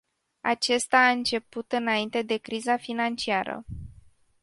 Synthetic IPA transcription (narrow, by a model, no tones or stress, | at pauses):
a̰t͡ʃe̞st̪aːɨnt͡ʃe̞put̪ɨnaint̪e̞d̪e̞kɾizafinant͡ʃiaɾə̰